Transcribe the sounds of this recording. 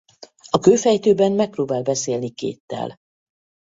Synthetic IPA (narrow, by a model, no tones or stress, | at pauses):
ɒkøːfɛjt̪øːbɛnmɛk̚proːbaːlbɛseːlnikḛːt̪ːɛ̰l